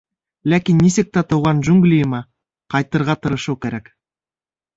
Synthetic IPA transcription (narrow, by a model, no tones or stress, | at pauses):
lækʲinːisek̚t̪ɑt̪uwʁɑnʒʉŋɡlʲijəmɑ | qʰɑjt̪ːɤɾʁɑt̪ʰɤɾɤ̆ʃukʲeɾæk